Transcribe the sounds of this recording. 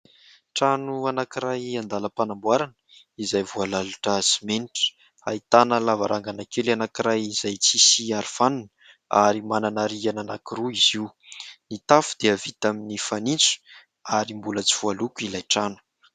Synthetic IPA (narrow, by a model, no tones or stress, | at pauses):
ʈ͡ʂanuanakiɾajand̪aləpanambwaɾanə̥ | izajvualaluʈ͡ʂasimeniʈ͡ʂə̥ | a̰it̪anəlavaɾʔaŋɡanakewleanakiɾajizajt͡sisiaɾifanun | aɾimananaɾiananakiɾuiziwnit̪afu̥d̪̥eavit̪aminifanint͡su̥ | aɾimbulət͡si̥v̥ualukuilajʈ͡ʂanu̥